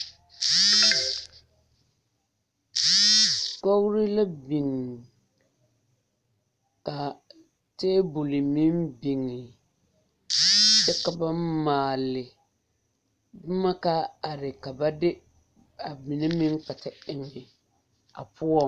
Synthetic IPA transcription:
kɔ˦ɣɾɪ˦la˦bi˨ŋ˨ | ka˨ | teː˦bu˨lɪ˨mi˦mbi˨ŋɪ˨ | t͡ʃɛ˦ka˨ba˦maː˨lɪ˨˦ | ma˦ka˦a˨ɾɪ˨ka˨ba˦dɪ˦ | a˨mi˨nɛ˦mɪ˦ŋ˦k͡pa˨ta˨ɪ˨ŋɪ˨ | a̰˨pʊ˦ɔ˦˨

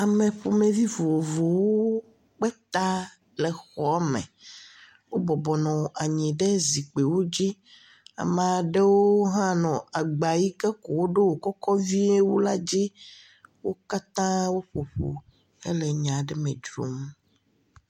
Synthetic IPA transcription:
a˨mẽ˨ɸo˨me˨vi˦vo˨vo˨wo˦ | k͡pɛ˦t̪a˦ | le˨xɔ˨˦a˦mɛ̰̃˨ | wo˦bɔ˨bɔ˨nɔ̃˨ʔa˨ɲĩ˨ɖe˦zi˨k͡pe˨wo˦d͡ʑi˦ | a̰˨mã˨ɖe˦wo˦ɦã˦nɔ̃˨a˨ɡ͡ba˨ji˦ke˦ko˨wo˦ɖe˦wo˨kɔ˦kɔ˦vi˦e˦wo˦la˦d͡ʑi˦ | wo˦ka˦t̪ã˦wo˦ɸo˨ɸo̰˨ | ḛ˦le˨ɲã˨ɖe˦mẽ˨d͡ʒɾo̰˦m

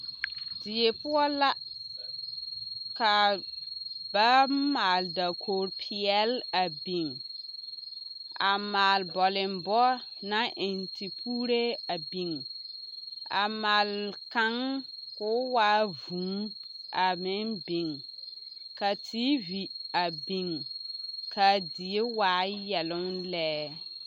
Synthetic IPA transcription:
dɪ˨e˨pʊ˦ɔ˦la˦ | ka˨ | ba˦maː˨lda˨kʰoː˨ɾpʰi˨ɛ˦la˨bi˨ŋ | ʔa˨maː˨lbɔ˨lɪ˨mbɔ˦ | nã˦ʔɪ˨nti˨pʰuː˦ɾe˦a˨bi˨ŋ | a̰˨ma˨lka˦ŋkʊ˦waː˦vũ˨˦ŋ | ʔa˨mɪ˦nbi˨ŋ | ka˨tʰi˦vi˨a˨bi˨ŋ | kʰa˨dɪ˨e˦waː˨˦jɛ˨lʊ˦ŋlɛː˦

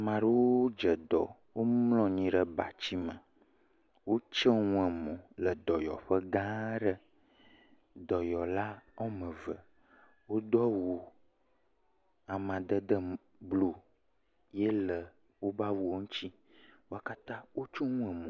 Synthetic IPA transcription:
mã˨ɖə˦wo˦o˦d͡ʒə˨d̪ɔ˨ | wo˦mmlɔ̃˨ɲĩ˨ɖə˨ba˨t͡ɕi˦mə̃˨ | wo˦t͡ʃə˦ŋũ˦ɛ˨mɔ̃˨lə˨d̪ɔ˨jɔ̰˨ɸə˦ɡã˦ɖə˦ | d̪ɔ˨jɔ˨la˦ɔ˦mə̃˨və˨ | wo˦d̪ɔ˦wu˨ | a˨mã˨d̪ə˦d̪ə˦ | blo˨ | je˦lə˨ | wo˦ba˦wu˨wo˦ŋũ˦t͡ɕi˦ | wo˦a˦ka˦t̪ã˦wo˦t͡ʃo˦ŋũ˦ɛ˨mɔ̃˨

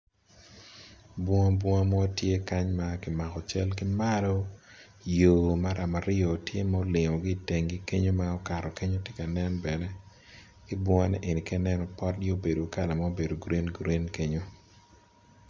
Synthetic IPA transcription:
bwɔ˦ŋa˦bwɔ˦ŋa˦mɔ˦tje˦ka˦ɲma˦kɪ˨ma˨kɔ˨t͡ʃɛ˦lkɪ˦ma˦lɔ˦ | jo˨ma˦ɾa˨ma˨ɾɪ˦ɔ˨tje˦ma˦o˦lɪ˨ŋɔ˨ɡi˦˨te˨ŋɡi˦ke˦ɲo˦mao˦ka˨ɾɔ˨ke˦ɲo˦tje˦ka˨nɛ˦nbɛ˨nɛ˦ | kɪ˦bɔ˦ŋa˦nɛ̰˦ʔe˨ni˨kɛ˦nɛ˦nɔ˨pɔ˦t̚ɡo˦be˨do˨ka˦˨la˨ma˦o˦be˨do˨ɡɾe˦nɡɾe˦nke˦ɲo˦

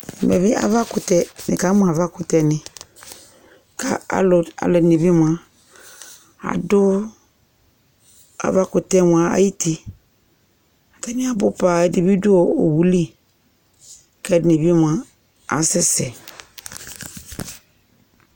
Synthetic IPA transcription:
mɛ˨bɪ˦ʔa̰˦va˦kʊ˨tɛ˦nɪ˨ka˨˦mʊ̃˦a˨va˦kʊ˨tɛ˨˦nɪ̃˨ | ka˨a̰˦lʊ˨a̰˨lɛ˨ne˨bi˦m˨ã˨ | a̰˨dʊ˦ | a̰˨va˦kʊ˨tɛ˦m˨a˨a̰˨ji˦ti˨ | a˨tɛ˦nɪ̃˦a˨bʊ˦pa˨di˨bi˦dʊ˦ɔ˨o˨wu˨li˦ | kɛ˦dne˨bm˨a˨ | a̰˨sɛ˦sɛ˨

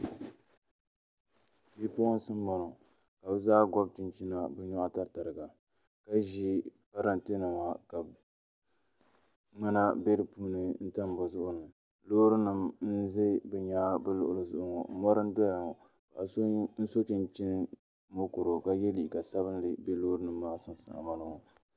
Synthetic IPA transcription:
bi˦po˦n˦sɨ˦m˦bɔ˨nɔ˨ | ka˨bɛ˦zaː˦ɡɔ˦b̚t͡ʃɪ˦nt͡ʃi˦na˨bɛ˦ɲɔ˦ʔa˦˨ta˦ɾta˨ɾɨ˨ɡa˨ | ka˦ʒi˦ka˦ɾa˦ntɨ˦nɨ˨ma˨ka˨ | ŋ͡ma˦na˦be˦ɾɨ˨puː˦nɨ˨n̩˦ta˦m˨bʊ˨zʊ˦ʔʊ˦nɨ˨ | loː˦ɾɨ˦nɨ˨mn̩˦ze˦bɛ˨ɲaː˦bɨ˦lʊ˨ʔʊ˨lɨ˨zʊ˦ʔʊ˦ŋɔ̰˨˦mɔ˦ɾɨ˦n˦dɔ˦ja˨ŋɔ˨ | ka˨a˨sn̩˦so˦t͡ʃi˦nt͡ʃi˦nɨ˦ | mo˦kʊ˨ɾo˨ka˦jɛ˦li˨i˨ka˨sa˦βɨ˦n˦dɨ˨be˦loː˦ɾɨ˦nɨ˨mː˦aː˦sɨ˦n˨sa̰˨a̰˨ma˦la˦ŋɔ˨

